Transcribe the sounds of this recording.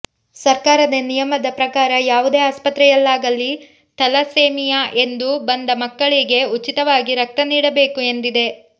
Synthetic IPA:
sɐɾkaːɾɐd̪ɐnijɐmɐd̪ɐpɾɐkaːɾɐjaːʋud̪e̞ːaːspɐt̪ɾɛjɐlːaːɡɐlːi | t̪ɐlɐseːmijaʔe̞nd̪ubɐnd̪ɐmɐkːɐɭiɡe̞ut͡ʃit̪ɐʋaːɡiɾɐk̚t̪ɐniːɽɐbe̞ːkue̞nd̪id̪e̞

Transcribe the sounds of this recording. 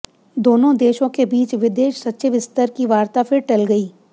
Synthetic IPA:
d̪oːnõd̪eːʃõkebiːt͡ʃʋɪd̪eːʃsɐtːʃeʋɪst̪əɾkiʋaːɾt̪apʰɪɾʈɐlɡɐiː

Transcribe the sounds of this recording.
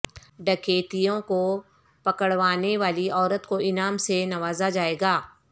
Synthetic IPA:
ɖɐkʰeːt̪ijõko | pɐkəɽʋaːneʋaːliʔɔːɾət̪koɪnaːmsenɐʋaːzad͡ʒaːeːɡaː

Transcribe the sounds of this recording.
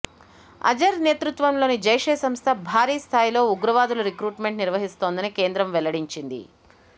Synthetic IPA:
ɐ̰d͡ʒɐɾne̞ːt̪ɾut̪ʋɐmlo̞ːnid͡ʒɐjʂeːsɐmst̪ʰɐbʱaːɾiːst̪ʰaːjilo̞ːuɡɾɐʋaːd̪uluɾikɾuːʈme̞ɳʈniɾʋɐɦist̪o̞ːnd̪ɐnike̞ːnd̪ɾɐmʋɛlɐɽiɲt͡ʃind̪ḭ

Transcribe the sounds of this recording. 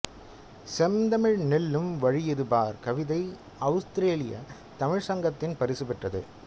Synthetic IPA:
sɛmd̪ɐmɪɻnɪlːɯmʋɐɻɪjɪðɯbaːɾkɐʋɪðɐɪ | ɐʊst̪ɪɾeːlɪjɐ̰ | t̪ɐmɪɻsɐŋɡɐt̪ːɪnpɐɾɪsɯpɛʈrɐðɯ̰

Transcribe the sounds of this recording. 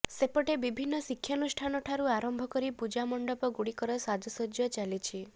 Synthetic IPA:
sepɔʈebibʱinːɔsikʰːjɔnusʈʰanɔʈʰaɾuaɾɔmbʱɔkɔɾipud͡ʒamɔɳɖɔpɔɡuɽikɔɾɔsad̪ʱɔsod͡ʒjɔt͡ʃalit͡ʃʰi

